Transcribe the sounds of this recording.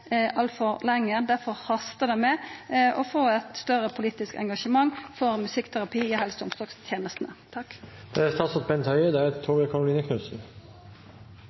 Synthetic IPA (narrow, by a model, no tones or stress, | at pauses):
ʔɑlt̪fɔʁlɛŋːəd̪æɾfɔʁhɑst̪əd̪ɛmɛɔfoːɛt̪st̪œɾəpʰʊliːt̪ɪskɛ̰ŋɡɑʃəmɑŋfɔʁmʉsɪkːt̪ʰæʁɑpʰiːɪɦɛlsʊmsɔːkst̪ʰjeːnəst̪nət̪ʰɑkːd̪̥ɛæɾst̪ʰɑːsɑt̪̚bɛnt̪hœʏəd̪ɛæɾt̪ʰoːɡəkʰɑɾʊliːnəkʰnʉsn̩